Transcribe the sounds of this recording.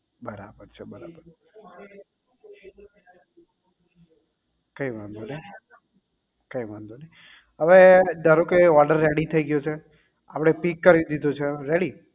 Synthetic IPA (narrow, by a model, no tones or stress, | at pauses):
bəɾa̰bəɾt͡ʃʰebəɾabəɾ | kəiʋand̪one | kəiʋand̪one | ɦəʋed̪əɾokeɔɾɖəɾːeɽit̪ʰəiɡjot͡ʃʰe | apɽ̃epikːəɾid̪id̪ot͡ʃʰeɾeɽi